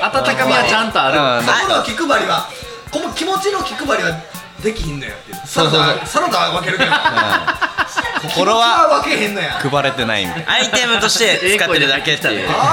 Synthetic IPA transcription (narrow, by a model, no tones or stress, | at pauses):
at̪at̪akamʲiβat͡ɕãnt̪oaɾɯookʲikɯ̟baɾʲiβa | komokʲimo̞t͡ɕinokʲikɯ̟baɾʲiβa | d̪e̞kʲihẽnːojo̰t̪ːe | saoːsoosaɾod̪aβaβak̬e̞ɾɯẽ | kokoɾoaaβakeɦẽ̞nːojã̰kɯ̟baɾe̞t̪e̞na̰ḭnait̪e̞mɯ̟t̪o̞ɕi̥t̪e̞eɨkatoiːeɯd̪aket̪ːḛ